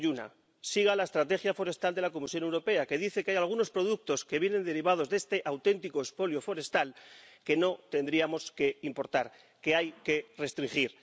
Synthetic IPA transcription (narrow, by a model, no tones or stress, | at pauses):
una̰ | siɣ̞alaest̪ɾat̪e̞xjafo̞ɾe̞st̪ald̪e̞lako̞misjo̞ne̞wɾo̞pe̞ake̞ðiθe̞keajalɣ̞uno̞spɾo̞ð̞uk̚t̪o̞skeβje̞nend̪e̞ɾiβ̞að̞o̞zðe̞st̪e̞ʔawt̪e̞nt̪iko̞espo̞ljo̞fo̞ɾe̞st̪alke̞no̞t̪e̞nd̪ɾiamo̞ske̞impo̞ɾt̪aɾ | ke̞ajke̞re̞st̪ɾiŋxiɾ